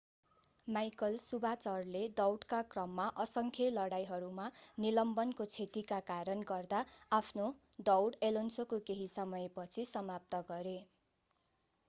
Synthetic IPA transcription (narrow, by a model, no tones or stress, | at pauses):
majkʌlsubat͡sʌrled̪ʌwɽkakrʌmːaʔʌsʌŋkʰelʌɽajɦʌɾumanilʌmbʌnkot͡sʰet̪ikakaɾʌnɡʌrd̪aapʰno | d̪ʌwɽelonsokokeɦisʌmʌjepʌt͡sʰisʌmap̚t̪ʌɡʌɾe